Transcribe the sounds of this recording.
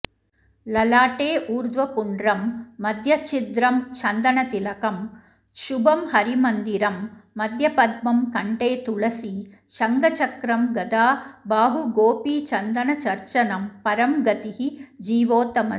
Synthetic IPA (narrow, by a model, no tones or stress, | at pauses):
lɐlaːʈeːʔuːɾd̪ʋɐpuɳɖɾɐmːɐd̪ʱjɐt͡ʃid̪ɾɐmt͡ʃʰɐnd̪ɐɳɐt̪ilɐkɐm | ʃubɐmhɐɾimɐnd̪iɾɐmːɐd̪ʱjɐpɐd̪mɐmkɐɳʈeːt̪uɭɐsi | ʃɐŋɡɐt͡ʃɐkɾɐmɡɐd̪aːbaːɦuɡoːpiːt͡ʃɐnd̪ɐɳɐt͡ʃɐɾt͡ʃɐnɐmpɐɾɐmɡɐt̪ihid͡ʒiːʋoːt̪ɐmɐ